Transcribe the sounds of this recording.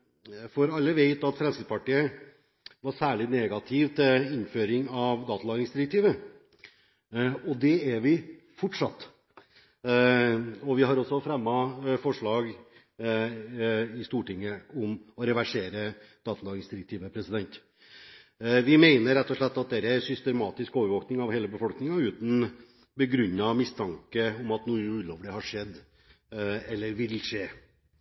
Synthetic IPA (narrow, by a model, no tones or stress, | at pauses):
fɔɾɑlːəʋeɪt̪ɑt̪fɾɛmsɪd̪pɑʈiːə | ʋɑɾsæːɭɪnɛɡɑt̪ʰɪʋt̪ʰɪlɪnføːɾɪŋɑʋd̪ɑːt̪əlɑːɡɪŋsd̪ɪɾɛk̚t̪ʰiːʋə | ɔd̪ɛæɾʋɪ | fɔʈʂɑ̰t̪ː | ɔʋɪɦɑɾɔsːɔfɾɛmːɑfɔʂɭɑːɡ | ɪst̪uːʈɪŋːəʊmɔɾɛʋæʂeːɾəd̪̥ɑːt̪ɑːɡɪŋsd̪ɪɾɪk̚t̪ʰiːʋəpʰɾɛsɪd̪ɛnt̪ | ʋɪmeɪnəɾɾɛt̪ːɔʂɭɛt̪ːɑt̪̚d̪ɛæːɾəæɾsʏst̪ɛmɑːt̪ɪskoːʋəɾʋoːknɪŋɑʋheːləbəfɔlknɪŋɑʉːt̪n̩ | bəɡɾʉnːɑmɪst̪ʰɑŋkəʊmɑt̪nuːʉlɔʋəlɪhɑʂɛd̪ː | ɛlːəɾʋɪlʂeː